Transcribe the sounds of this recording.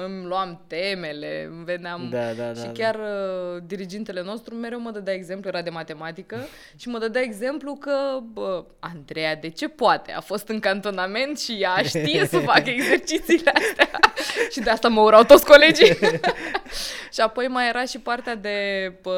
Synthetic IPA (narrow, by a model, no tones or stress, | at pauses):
ɨmloamt̪e̞me̞le̞̰ve̞neamʃikʲarəd̪iɾid͡ʒent̪e̞le̞no̞st̪ɾume̞ɾewməd̪əd̪aeɡze̞mpluje̞ɾad̪e̞mat̪e̞mat̪ikə | ʃiməd̪əd̪jae̞ɡze̞mplukəə | and̪ɾe̞jad̪e̞t͡ʃe̞poat̪e̞̰a̰fo̞st̪ɨŋkant̪o̞name̞nt̪ʃijaʃt̪ije̞səfakəeɡze̞rt͡ʃit̪siːleast̪eaʃid̪east̪aməuɾawt̪o̞t̪sʲko̞le̞d͡ʒi | ʃiapo̞jmaje̞ɾʔaʃipart̪ead̪e̞b